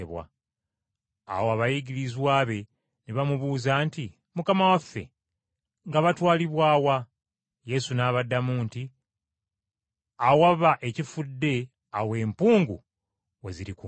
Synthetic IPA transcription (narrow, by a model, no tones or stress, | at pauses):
eβwa̰ | woaβajiɟiɾizwaːβe̞ | niβamuβuːzaːnti | mukamawafːe̞̰ | ŋɡaβatwaːliβwaːwa | je̞sunaːβadːamuːnti | awaβaʔe̞cifudːe̞ | awe̞ːmpuːŋɡu | we̞ziɾiku